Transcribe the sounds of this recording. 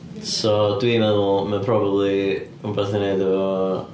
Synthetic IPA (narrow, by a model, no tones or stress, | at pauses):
sɔdwimɛðʊlˠməpʰɾɔbəbli | umboθɪnedɛvɔ